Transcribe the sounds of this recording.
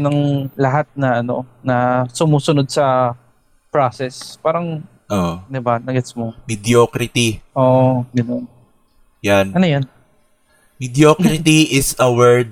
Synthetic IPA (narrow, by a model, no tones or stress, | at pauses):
nɐŋlɐɦat̪̚nɐʔɐno̞̰nɐsʊmuːsʊnod̪̚sɐ | pɹasɛspaːɾɐŋ | ʔod̪ɪbanɐɡɛsmomɪd̪jokɾɪt̪iʔoʔɡɐnon | janɐnojɐn | mɪd̪jokɾɪt̪iʔɪsɐwɛɹd̪̚